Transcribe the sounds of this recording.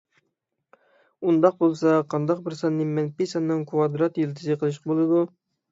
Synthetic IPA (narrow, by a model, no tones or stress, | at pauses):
und̪ɑq̚bolˠsɑqʰɑnd̪ɑqbɪɾsɑnːɨmɛnpesɑnːɨŋkʰvɑd̪ɾɑt̪jilt̪ʰɪzɨqʰəlˠɨʃ̬qbolˠɨd̪u